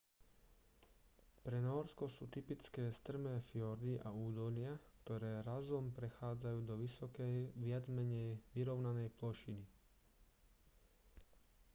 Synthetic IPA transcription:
pɾɛnɔɾskɔsṵːt̪ipit͡skɛːst̪r̩mɛːfjɔɾd̪iʔauːd̪ɔʎɪakt̪ɔɾɛːɾazɔmpɾɛxaːd͡zajuːd̪ɔʋiɔkɛʋɪad͡zmɛɲɛjʋiɾɔʊnanɛjplɔʃini

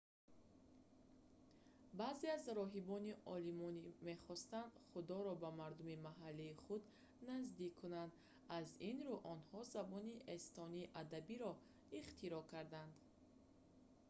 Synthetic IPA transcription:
bazeazɾɔɦibɔniʔɔlimɔnime̞χɔst̪and̪χud̪ɔɾɔbamaɾd̪umimaɦalːiːχud̪ | nazd̪ikʰːunand̪ | azinɾuʔɔnhɔzabɔniʔest̪ɔniːʔad̪abiɾɔ | iχt̪ʰiɾɔkʰaɾd̪and̪̥

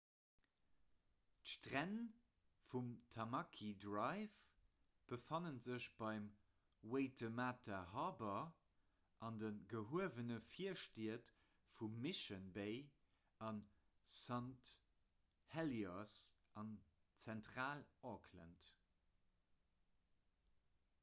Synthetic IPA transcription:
tʃtʁæn | fumtʰɑmɑkʰidʁɑɪv | b̥əfɑnənzəɕb̥ɑɪm | weɪtʰəmaːtʰɐɦɑːbɐ | ʔɑndənɡəɦuəvənəfiɐʃtiət | fumːiʃənbeɪ | ɑn | sɑnt | hɛliɔsʔɑn | t͡sæntχaːlʔokʰlə̰nt

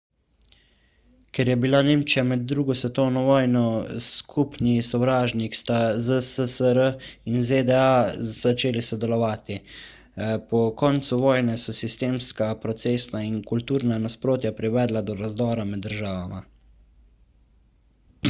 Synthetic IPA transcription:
kɛɾjɛbilaneːmt͡ʃijamɛd̪ːɾuːɡɔsʋɛt̪ɔwnɔʋɔːjnɔskʰupnisɔwɾaːʒnikst̪azəsəsəɾəinzed̪ɛaat͡ʃeːlisɔd̪ɛlɔʋaːt̪i | pɔkɔnt̪suʋɔːjnɛsɔsist̪eːmskapɾɔt̪seːsnainkult̪uːɾnanaspɾoːt̪japɾiʋɛːd̪lad̪ɔɾazd̪ɔːɾamɛd̪ːəɾʒaːʋama

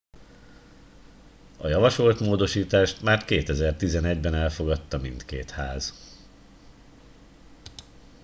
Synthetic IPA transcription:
ɒjɒvɒʃo̞lt̪moːd̪o̞ʃiːt̪aːʃt̪maːrkeːt̪ɛzɛrt̪izɛnɛɟbɛnɛlfo̞ɡɒt̪ːɒmint̪keːt̪haːz

